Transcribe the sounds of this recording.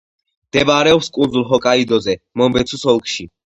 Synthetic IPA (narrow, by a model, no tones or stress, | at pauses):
md̪̥ɛbɾɛɔpskʼunzulˠɦɔkʼaid̪ɔzɛmɔmbɛt̪sʰusɔlˠkʼʃi